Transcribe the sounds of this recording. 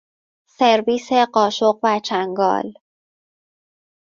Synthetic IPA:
se̞ɾviːse̞ɢɒːʃoɢvæt͡ʃʰæŋɡɒ̰ːl

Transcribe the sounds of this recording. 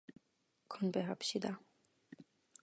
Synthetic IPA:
kʰɔnbeɦapɕid̪a

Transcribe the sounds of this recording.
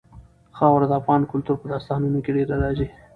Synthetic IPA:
xɑwɾad̪əafɣɑnkʊlt̪uɾpəd̪ɑst̪ɑnənokeɖeɾalɑzi

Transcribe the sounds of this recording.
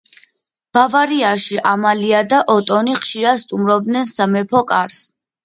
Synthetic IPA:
b̥avaɾiaʃiʔamaliad̪aʔɔt̪ʼɔniχʃiɾad̪st̪ʼumɾɔb̚d̪nɛnsamɛpʰɔkʼaɾs

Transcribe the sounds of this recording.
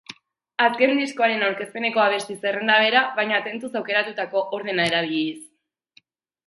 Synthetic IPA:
aske̞nd̪isko̞aɾe̞nawɾke̞spe̞ne̞ko̞aβ̞e̞st̪ise̞rend̪aβ̞e̞ɾaβajɲat̪e̞nt̪usawke̞ɾat̪ut̪ako̞ʔoɾð̞e̞nae̞ɾaβ̞iʎis

